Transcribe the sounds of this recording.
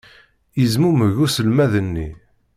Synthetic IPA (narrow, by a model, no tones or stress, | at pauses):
jəzmuməʝusəlmæðənːḭ